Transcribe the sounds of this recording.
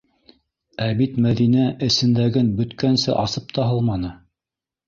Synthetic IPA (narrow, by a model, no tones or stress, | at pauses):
æbit̪mæðinæʔɘ̆sɘ̆nd̪æɡɘnbɵ̆t̪kænsɘ̰ʔɑsɤp̚t̪ʰɑɦɤlˠmɑnɤ